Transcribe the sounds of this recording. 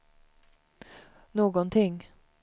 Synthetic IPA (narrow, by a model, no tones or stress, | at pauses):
noːɡɔnt̪ʰɪŋː